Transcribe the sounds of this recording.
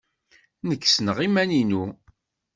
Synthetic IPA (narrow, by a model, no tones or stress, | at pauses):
nəkːsnəʁimæninu